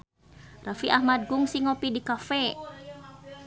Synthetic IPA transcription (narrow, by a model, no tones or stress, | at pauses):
rafiʔahmad̪̚ɡuŋsiŋopidikafɛ